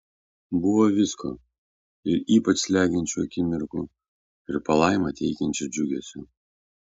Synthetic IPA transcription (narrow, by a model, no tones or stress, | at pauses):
bʊʋoʋʲɪskʰo̰ː | ɪɾiːpɐt͡ʃslʲæːɡʲɪnʲt͡ʃʲuɐkʲɪmʲɪɾkʊ | ɪɾpɐlˠɑɪmɐt̪ʲɛɪkʲɛnʲt͡ʃʲʊd͡ʒʲʊɡʲɛsʲʊ